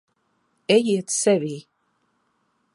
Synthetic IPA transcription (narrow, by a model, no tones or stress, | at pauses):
ɛjiɛt̪sɛvʲiː